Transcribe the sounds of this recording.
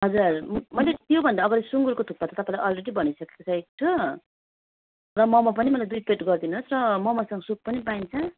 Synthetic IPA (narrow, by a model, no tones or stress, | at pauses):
ɦʌd͡zurmʌjlet̪jobʱʌnd̪aːɡʌɾesuŋɡuɾkot̪ʰupːat̪ʌt̪ʌpãĩlajʔʌlreɽibʌñisʌke̥ko̥t͡sʰʌekt̪ʰo | rʌmʌmap̬ʌnimʌjlad̪ujpeʈɡʌrd̪inuɦosrʌmʌmasʌŋɡʌsup̚pʌnipaint͡sʰʌ